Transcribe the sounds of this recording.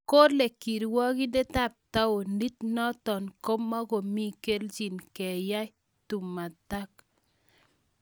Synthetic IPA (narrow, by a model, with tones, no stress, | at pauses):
ko˦le˨ki˨ɾwɔ˦ki˦de˦ta˦˨p̚ta˦o˨ndi˦tnɔ˦tɔ˨nko˦mːa˦ko˨mi˦ke˦ld͡ʒi˨nkɛ˨ja˦j | tu˨mːa˨ta˦k̚